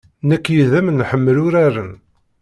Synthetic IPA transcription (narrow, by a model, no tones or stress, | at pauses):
nækːjiðæmnħəmːəlʊɾarən